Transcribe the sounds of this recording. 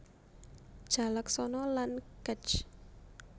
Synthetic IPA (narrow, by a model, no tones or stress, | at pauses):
ʒ̥a̤lək̚sɔnɔlankət͡ʃ